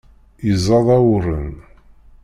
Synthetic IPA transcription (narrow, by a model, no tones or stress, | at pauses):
izˤːɑðˤɑwɾən